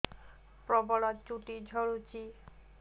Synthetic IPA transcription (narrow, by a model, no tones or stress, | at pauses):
pɾɔbɔɭɔt͡ʃuʈid͡ʒʱɔɹut͡ʃi